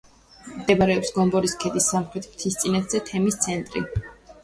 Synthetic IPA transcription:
md̪̥ɛbaɾɛɔpsɡɔmbɔɾiskʰɛd̪isːamχɾɛt̪ʰmt̪ʰist̪sʼinɛt̪ʰz̥ɛt̪ʰɛmist̪sʰɛnt̪ʼɾḭ

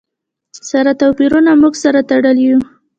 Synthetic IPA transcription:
saɾat̪apiɾunamuɡsaɾat̪aɽəlju

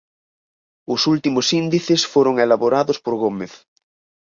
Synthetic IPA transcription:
ʊsult̪imʊsind̪iθɪsfoɾʊŋelaβoɾaðʊspoɾɣomeθ

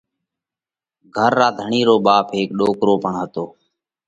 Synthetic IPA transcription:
ɡʱəɾːaːd̪ʱəɳiːɾoːɓaːpʰɦeːkɗoːkɾoːpəɳɦət̪oː

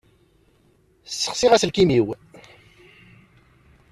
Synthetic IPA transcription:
sːə̥χsiʁæsəlkimiw

